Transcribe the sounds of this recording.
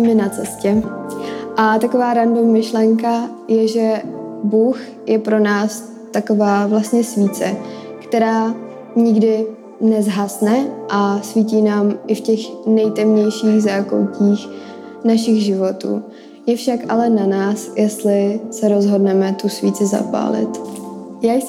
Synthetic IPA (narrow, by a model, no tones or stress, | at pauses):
mɪnat͡sɛscɛ | ʔat̪ako̞vaːɾandomɪʃlɛŋka | jɛʒɛbuːx | jɛpɾo̞naːs | t̪ako̞vaːvlast̪ɲɛsviːt͡sɛ | kt̪ɛɾaː | ɲɪɡdɪ | nɛzɦasnɛʔasviːciːnaːmʔɪfcɛxnɛjt̪ɛmɲɛjʃiːɣzaːko̰wciːx | naʃɪɣʒɪvot̪ṵː | jɛfʃaka̰lɛnanaːsjɛst̪lɪsɛɾo̞zɦo̞dnɛmɛt̪usviːt͡sɪza̰pa̰ːlɪ̰t̪jaːjs